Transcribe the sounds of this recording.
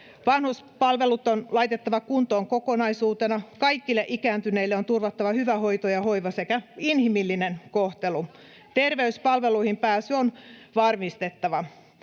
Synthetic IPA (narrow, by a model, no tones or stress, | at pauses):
ʋɑnhuspɑlʋelut̪onlɑjt̪et̪ːɑʋɑkunt̪oːŋkokonɑisuːt̪enɑkɑikːilːeʔikæːnt̪yneilːeont̪urʋɑt̪ːɑʋɑhyʋæho̞it̪ojɑhoiʋɑsekæinhimilːinenkoht̪elu | t̪erʋeyspɑlʋeluihimpæːsyonʋɑrmist̪et̪ːɑʋɑ